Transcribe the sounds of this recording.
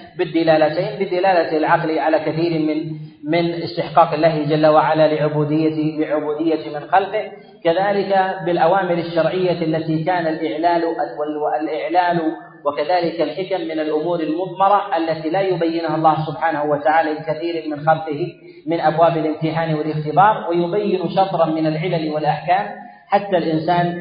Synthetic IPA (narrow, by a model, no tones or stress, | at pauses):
bɪd̪ːɪlaːlat̪eːnbɪd̪ɪlaːlat̪lʕɑqliʕalakaθiːɾmɪnmɪnɪst̪ɪħqɑːqɪlːaːhd͡ʒalːawaʕalalɪʕʊbuːd̪ɪjːawɪʕʊbuːd̪ɪjːat̪imɪnxalqɪh | kaðaːlɪkabɪlʔawaːmɪlaʃːɑɾˤʕɪjːaalːat̪ikaːnalʔɪʕlaːlʔawalwalʔɪʕlaːlu | wɪkaðaːlɪkalħɪkamːɪnalʔʊmuːɾɪlmʊðˤmɑɾˤɑʔalːat̪ilajʊbajːɪnhɑlˤːɑːhsʊbħaːnahʊwat̪aʕaːlalɪkaθiːɾmɪnxalqɪh | mɪnʔabwaːbalʔɪmt̪ɪħaːnwɪlɪxt̪ɪbɑːɾˤwɪjʊbajːɪnʃɑt̪ˤɾˤɑmɪnalʕɪlalwɪlʔaħkaːm | ħat̪ːalʔɪnsaːn